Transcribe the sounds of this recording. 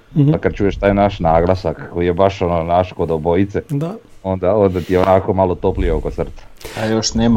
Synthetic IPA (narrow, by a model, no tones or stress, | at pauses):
akad̪̚t͡ʃuːje̞ʃt̪aːjnaʃnaːɡlˠasakkːo̞jije̞baʃo̞nonaʃkod̪obo̞it̪sed̪ao̞nd̪ao̞nd̪at̪ijeonako̞malˠot̪o̞plieoko̞t̪sr̩t̪ḁajoʃneːm